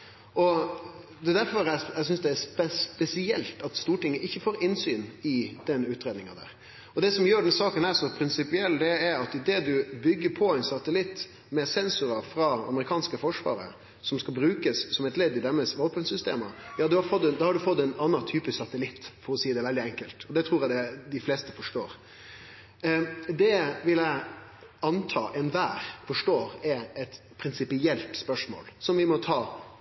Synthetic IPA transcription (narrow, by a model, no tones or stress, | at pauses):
ɔ | d̪ɛd̪æɾfɔɾææɪs̬ʏnsd̪ɛæspɛspɛsɪɛlt̪ɑt̪st̪uːʈɪŋːəʔɪçːəfoːɾɪnsyːnɪd̪̥ɛnʉːt̪ɾeːd̪nɪŋɑd̪æ̰ːɾ | ɔd̪ɛsɔmjøːɖɛnsɑːkənæɾsɔpʰɾɪnsɪpɪɛld̪ɛɛɾɑt̪ɪd̪eːd̪ʉbʏɡːəpʰɔæɪnsɑt̪əlɪt̪ː | mɛsɛnsʊɾɑfɾɑɑ̰məɾɪkʰɑːnskəfɔʂʋɑ̰ːɾə̰ | sɔmskɑlbɾʉːkəssɔmɛt̪lɛd̪ɪd̪ɛmːəsʋoːpənsʏst̪ḛːməjɑːd̪ʉhɑɾfɔt̪ːɛnd̪ɑːhɑɖʉfɔt̪ːɛɪnɑnːɑt̪ʰyːpɪssɑt̪əlɪt̪ːfɔɾɔsiːəd̪ɛʋɛld̪ɪɛŋkəlt̪ɔd̪ɛt̪ʰɾuːɾæd̪ɛd̪ɪfleːst̪əfɔʂʈoːɾ | d̪ɛʋɪlæɪɑnt̪ʰɑ̰ːʔɛnʋæːɾfɔʂʈoːɾɛɛt̪ | pʰɾɪnsɪpɪɛlt̪spœʂmo̰ːlsɔmʋɪmɔt̪ʰɑː